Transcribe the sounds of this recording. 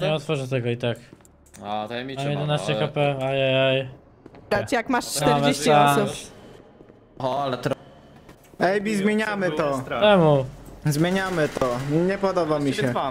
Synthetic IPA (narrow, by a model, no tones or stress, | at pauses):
ɲɛɔt̪fɔʐɛt̪ɛɡɔit̪ak̪ | mjɛd̪ɛnast͡ɕɛkapɛajajaj | ɾat͡ɕjakmaʂt͡ʂt̪ɛɾavd͡ʑeɕt͡ɕɛaɔsup | ɔalɛt̪ɾ | ɛjbʲizmʲjeɲamɘt̪ɔtɛmuzmʲjeɲamɘt̪ɔɲɛpɔd̪ɔbamʲiɕɛ